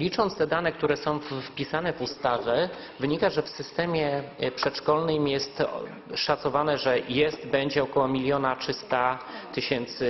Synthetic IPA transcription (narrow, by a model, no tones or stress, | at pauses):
lʲit͡ʂɔnt̪st̪ɛd̪anɛk̚t̪uɾɛsɔ̃w̃ffpʲisanɛvust̪avʲɛ | vɘɲikaʐɛfsɘst̪ɛmʲjɛpʂɛtʂkɔlnɘmjɛst̪ | ʂat̪sɔvanɛʐɛjɛst̪bɛɲd͡ʑɛɔkɔwɔmʲilʲjɔnatʂɘst̪at̪ɘɕɛnt̪sɘ